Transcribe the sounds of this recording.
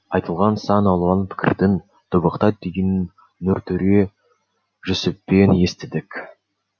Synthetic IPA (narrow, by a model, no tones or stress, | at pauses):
ɑjt̪əlˠʁɑnsɑnɑlˠʁɑnpʰɪ̥kʲʰɪ̰ɾd̪ɪn | t̪ʰʊbəqt̪ɑd̪ejɪnː | ɵɾt̪ʰʏɾe | ʒʏsɪpːe̞ne̞st̪ɪd̪ɪkʲ